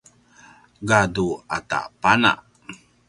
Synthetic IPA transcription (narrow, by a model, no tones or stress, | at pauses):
ɡaduata̰ʔpana̰ʔ